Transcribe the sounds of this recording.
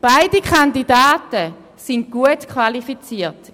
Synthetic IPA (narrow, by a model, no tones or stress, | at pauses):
b̥aɪdikʰχandidaːtə | sint̚ɡ̥uətkʰvalifit͡siːt